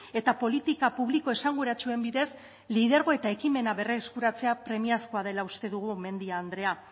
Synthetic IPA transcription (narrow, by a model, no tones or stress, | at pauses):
e̞t̪apo̞lit̪ikapuβliko̞e̞saŋɡuɾat͡ʃue̞mbiðe̞s | liðeɾɣo̞e̞t̪ae̞kime̞naβe̞reeskuɾat͡se̞apɾe̞miasko̞aðe̞laust̪e̞ðuɣ̞ume̞nd̪iaːnd̪ɾe̞a